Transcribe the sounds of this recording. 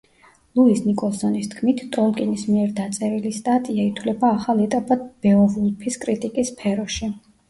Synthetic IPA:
lˠuisnikʼɔlˠsɔnist̪ʰkʰmit̪ʰt̪ʼɔlkʼɛnismiɛɾd̪at̪sʼɛɾilist̪ʼat̪ʼiait̪ʰwlɛbaːχalˠɛt̪ʼapʼad̪̚b̥ɛɔvulˠpʰiskʼɾit̪ʼikʼispʰɛɾɔʃi

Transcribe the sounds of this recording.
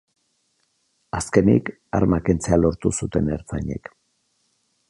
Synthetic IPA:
aske̞nḭk | aɾmakent͡sealo̞ɾt̪usut̪e̞ne̞ɾt͡saɲḛk

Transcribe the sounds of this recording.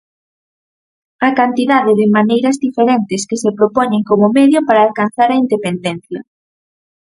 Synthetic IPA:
ɐkant̪iðaðɪðɪmanejɾɐzðifeɾent̪ɪskesepɾopoɲeŋkomʊmɛðjopaɾaːlkan̟θaɾɐind̪epend̪ɛn̟θjɐ̰

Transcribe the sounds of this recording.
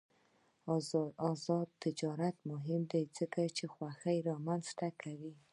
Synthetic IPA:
ɑzɑd̪̚t̪ɪd͡ʒɑɾat̪mʊɦɪmd̪ezəkat͡ʃexwaxəjɾɑmanzt̪akʰawi

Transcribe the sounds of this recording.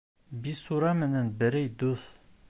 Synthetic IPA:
bisuɾɑmɘ̆nænbɘ̆ɾɘjd̪uθ

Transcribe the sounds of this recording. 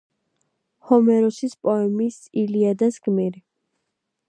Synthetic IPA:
hɔmɛɾɔsispʼɔɛmisiliad̪asɡmiɾi

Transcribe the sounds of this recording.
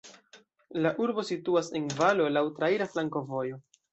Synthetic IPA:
laʔuɾbo̞situase̞nvalo̞lawtɾaiɾaflaŋko̞vo̞jo̞

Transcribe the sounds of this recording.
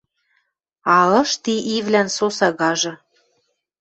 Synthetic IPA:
ɑlɤ̆ʃt̪iʔivlænsosɑɣɑʒɤ̆

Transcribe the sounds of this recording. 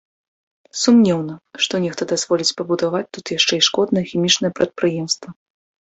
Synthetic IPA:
sumnʲɛwnɐʂt̪ɔnʲɛxt̪ɐd̪azvɔlʲit͡sʲpɐbud̪avat͡sʲt̪ut̪jaʂt͡ʂɛjʂkɔd̪nɐjɛxʲimʲit͡ʂnɐjɛpɾʔɐt̪̚pɾɨjɛmst̪vɐ

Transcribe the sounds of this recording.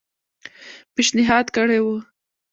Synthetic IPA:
peʃnɪɦɑd̪kəɽewu

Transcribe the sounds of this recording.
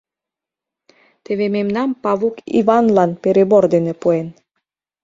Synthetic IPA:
t̪eβememnɑmpɑβukḭvɑnlɑnpeɾeboɾd̪enĕpuen

